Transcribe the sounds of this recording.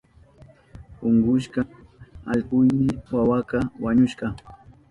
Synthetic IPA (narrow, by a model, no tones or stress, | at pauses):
ʊŋɢʊʃkɑa̰ʎpʊjmɪwawakɑwaɲʊʃɢɑ